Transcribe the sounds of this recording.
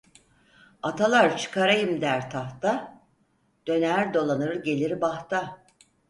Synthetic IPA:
at̪ʰalˠaɾt͡ʃʰɯ̥kʰaɾajɯmd̪æɾt̪ʰaht̪a | d̪̥ø̞næɾd̪o̞lˠanɯɾɟe̞lʲiɾbaht̪a

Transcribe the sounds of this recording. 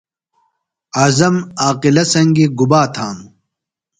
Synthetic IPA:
aːzɐmaːqilɐsɐŋɡiɡubaːt̪ʰaːm

